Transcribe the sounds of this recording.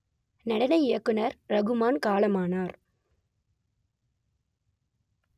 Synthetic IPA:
nɐɽɐnɐɪɪjɐkːɯnɐɾɾɐɣɯmaːnkaːlɐmaːnaːɾ

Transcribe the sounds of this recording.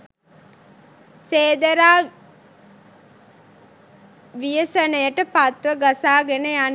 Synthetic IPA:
seːd̪əɾaː | ʋijəsənəjəʈəpat̪ʋəɡasaːɡenəjan

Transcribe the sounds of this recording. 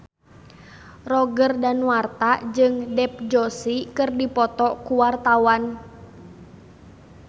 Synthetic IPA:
rɔɡərdanwart̪ad͡ʒɨŋdɛp̚d͡ʒɔsikɨrdipɔt̪ɔkuwart̪awan

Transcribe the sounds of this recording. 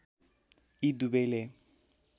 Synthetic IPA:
idubele

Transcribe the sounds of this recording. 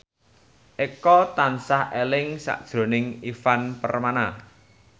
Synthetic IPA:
ʔekɔt̪ansahʔelɪŋsa̰ʔd̥ʒ̥ɾo̤nɪŋifanpərmana

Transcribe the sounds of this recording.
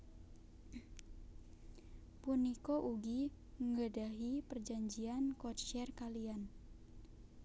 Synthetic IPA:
punikoʔuɡi | ŋədaɦipərd͡ʒaɲd͡ʒiankɔtʃɛrkalian

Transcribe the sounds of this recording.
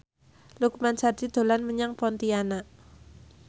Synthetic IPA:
lukmansad̪̥id̪̥o̤lanməɲaŋpɔnt̪iana

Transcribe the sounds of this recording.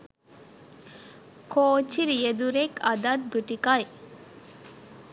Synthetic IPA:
kʰoːt͡ʃiɾijed̪uɾekɐd̪ɐt̪̚ɡuʈikɐj

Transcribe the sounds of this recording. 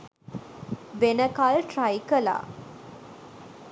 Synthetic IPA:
ʋenəkalʈrajkəla̰ː

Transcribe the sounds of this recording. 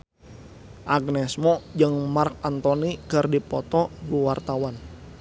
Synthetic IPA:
ʔaɡnɛsmɔd͡ʒəŋmark̚ant̪ɔnikərdipɔt̪ɔluwart̪awan

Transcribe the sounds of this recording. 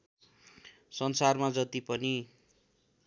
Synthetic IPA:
sʌnsarmad͡zʌt̪ipʌni

